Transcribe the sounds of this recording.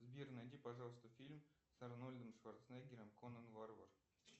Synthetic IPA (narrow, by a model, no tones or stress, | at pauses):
zbʲirnad̪ʲipɐʐɑlˠst̪əfʲilʲm | sɐɾnolʲd̪əmʂvart̪snaɡʲɪɾʲəmkonənvarvər